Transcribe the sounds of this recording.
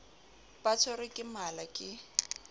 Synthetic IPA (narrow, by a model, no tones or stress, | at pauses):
pʼatʰɔɾɪkʼɪmalakʼɪ